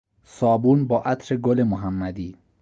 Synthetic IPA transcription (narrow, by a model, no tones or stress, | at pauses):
sɒːbuːnbɒːʔæt̪ʰɾeɡolemoɦæmːæd̪iː